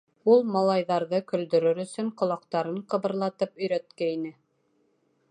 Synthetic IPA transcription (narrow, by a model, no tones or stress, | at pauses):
ulˠmɑlˠɑjðɑɾðɤkɵ̆ld̪ɵ̆ɾɵɾɵ̆sɵŋqŏlˠɑqt̪ɑɾɤɴqɤ̆βɤ̆ɾlˠɑt̪ɤpɵ̆jɾæt̪̚kæinɘ